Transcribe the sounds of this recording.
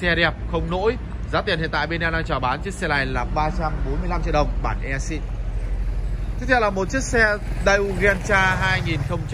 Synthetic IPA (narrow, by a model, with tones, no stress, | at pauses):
sɛ˧ɗɛ˨˩p̚xə˧wŋ͡mno̰˧˥j | zaː˨˦t̪i˨˩nḭ˧˨nt̪a̰˧˨ɓe˧nɛ˧nɗaː˧ŋt͡ɕɔː˨˩ɓaː˨˦nt͡ɕi˦˥k̚sɛ˧la˨˩jlaː˨˩ɓaː˧t͡ɕa˧mɓo˨˦nmɨ˧əjla˧mt͡ɕḭ˧˨ɗə˨˩wŋ͡mɓaː˧˩nʔɛ˧sḭ˧ | t͡ɕ̪ʰk̚t̪ʰɛ˧˩laː˨˩mo˨˩t̚t͡ɕi˦˥ək̚sɛ˧ɗa˧jʔu˧ɣnt͡ɕaː˧ɦaː˧jŋi˨˩nxə˧wŋ͡mt͡ɕ